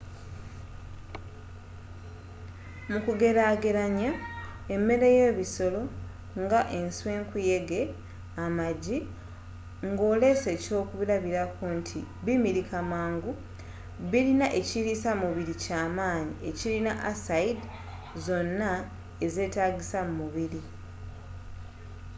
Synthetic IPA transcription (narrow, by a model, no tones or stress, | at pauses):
mukuɡe̞ɾaɡeɾaɲae̞mːe̞ɾeje̞ːβiso̞lo̞ | ŋɡaʔe̞nswe̞ːŋkuje̞ɡe̞ | amaɟi | ŋɡo̞ːle̞ːse̞co̞ːkuβiɾaβiɾakuntʰḭβimiɾikʰamaːŋɡu | βilinaʔe̞ciɾisamuβiɾicaːmaːɲiecilinaʔasaid | zo̞nːa | eze̞ːtaːɡisammuβiɾi